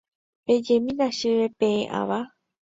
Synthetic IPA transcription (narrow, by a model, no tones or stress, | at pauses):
ped͡ʒemĩɾaʃɨʋepẽẽʔa̰ʋa